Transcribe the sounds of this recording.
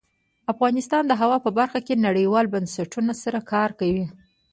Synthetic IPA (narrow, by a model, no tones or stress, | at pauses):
afɣɑnɪst̪ɑnd̪əɦawɑpəbaɾxakenaɽəjwɑlbansaʈunasaɾakɑɾkawi